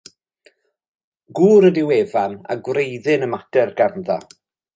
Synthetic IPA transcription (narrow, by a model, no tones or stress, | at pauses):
ɡuːɾədɪwevana̰ɡwrejðɪnəmadɛrɡarnða̰